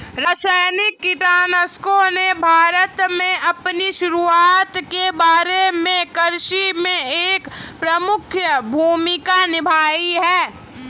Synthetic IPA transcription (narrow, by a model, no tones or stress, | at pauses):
ɾaːsajnɪkːɪʈaːnəskonebʱaːɾət̪mẽɐpniʃʊɾuaːt̪kebaːɾemẽkəɾʃimẽeːkpɾəmʊkʰjəbʱuːmikanɪbʱaːiɦɛː